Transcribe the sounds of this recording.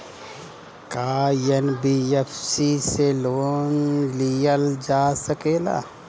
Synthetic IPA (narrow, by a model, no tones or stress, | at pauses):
kaːjenbiefsiseloːnliəld͡ʒaːsəkeːla̰ː